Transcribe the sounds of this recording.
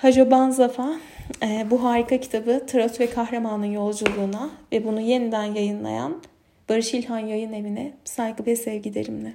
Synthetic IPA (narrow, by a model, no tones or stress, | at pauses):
had͡ʒobanzafaːɛːbuɦaːɾikʰacʰi̥t̪ʰabɯt̪ʰaɾat̪ʰuvɛkʰahɾamanɯnjo̞lˠd͡ʒulˠuːnavɛbunuje̞nid̪ænjajɯnlˠa̰ja̰n | b̥aɾɯʃilʲhanjajɯne̞vinɛsajkɯvɛsɛvɟid̪e̞̰ɾimlʲɛ